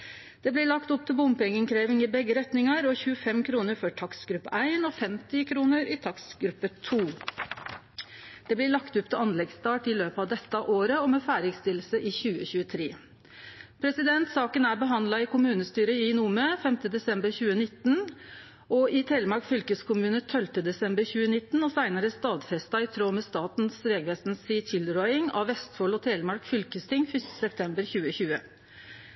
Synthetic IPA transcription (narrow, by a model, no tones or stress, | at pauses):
dd̪̥eːblɪɭɑkt̪ɔp̚t̪ʰɪlbʊmpɛŋːəŋkʰɾeːʋɪŋɪbɛɡːəɾɛt̪nɪŋɑɾɔçʉːəfɛmkʰɾuːnəɾfɔʈʰɑksɡɾʉpːæɪnɔfɛmt̪ɪkʰɾuːnəɾɪt̪ʰɑksɡɾʉpːət̪ʰuː | d̪̥ɛːblɪɭɑkt̪ʊpt̪ʰɪɑnlɛɡst̪ɑːʈɪløːpəɑʋd̪ɛt̪ːəʔoːɾəɔmɛːfæːɾɪɡst̪ɪlːsəʔɪçʉːəçʉːət̪ʰɾeː | pʰɾɛsɪd̪ɛnt̪sɑːkənæɾbəɦɑnd̪lɑɪkʊmʉːnəst̪yːɾəɪnumøːfɛmt̪əd̪ɛsɛmbəɾçʉːənɪt̪ːn̩ | ɔɪt̪ʰeːləmɑɾkfʏlkəskʰʊmʉːnət̪ʰœlt̪əd̪ɛsɛmbəɾçʉːənɪt̪ːn̩ɔsæɪnəɾəst̪ɑːd̪fɛst̪ɑɪt̪ʰɾoːmɛst̪ɑːt̪nsɾeːɡʋeːst̪nsiːt̪ʰɪlɾɔʏɪŋɑ̰ʋʋɛst̪foːlɔt̪ʰeːlmɑɾkfʏlkəst̪ʰɪŋfʏst̪ə̥sɛp̚t̪ʰɛmbəɾçʉːəçʉːə